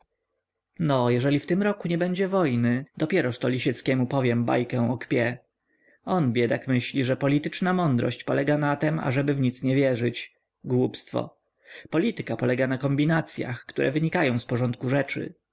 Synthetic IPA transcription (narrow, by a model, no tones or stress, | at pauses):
nɔjɛʐɛlʲift̪ɘmɾɔkuɲɛbɛɲd͡ʑɛvɔjnɘd̪ɔpʲjɛɾɔʂt̪ɔlʲiɕɛt̪skʲɛmupɔvʲjɛmba̰jkɛw̃ɔkpʲjɛ | ɔnbʲjɛd̪akmɘɕlʲiʐɛpɔlʲit̪ɘt͡ʂnamɔnd̪ɾɔ̰ɕt͡ɕpɔlɛɡanat̪ɛma̰ʐɛbɘvɲit̪sɲɛvʲjɛʐɘt͡ɕ | ɡwupst̪fɔ̰ | pɔlʲit̪ɘkapɔlɛɡanakɔmbʲinat̪sʲja̰xkt̪uɾʔɛ̰vɘɲikajɔ̃w̃spɔʐɔnt̪̚kuʐɛt͡ʂɘ̰